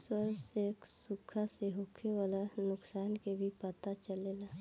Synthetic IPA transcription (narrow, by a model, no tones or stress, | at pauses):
swəɾbseːksʊkʰaseɦokʰewalanʊksaːnkebʱipət̪at͡ʃəleːlaː